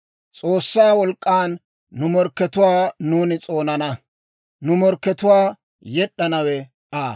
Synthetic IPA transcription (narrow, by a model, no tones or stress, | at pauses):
t͡sʼoːsːaːwɔlkʼːaːnː | ʊmɔɾkːɛt̪ʊwaːnuːnɪt͡sʼo̞ːnɐnɐ | nʊmɔɾkːɛt̪ʊwaː | jɛɗːɐnɐwɛ | ʔaː